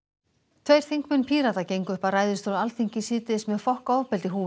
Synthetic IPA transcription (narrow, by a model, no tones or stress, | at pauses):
t̪ʰveɥɾ̥θiŋ̥kmɪnpʰiːɾat̪acejŋkʏhparaːjðɪɾ̥st̪owɾðalt̪ʰiŋ̥cɪsiːt̪ɪsmɛðfɔhkɔwvpɛlt̪ɪɦuː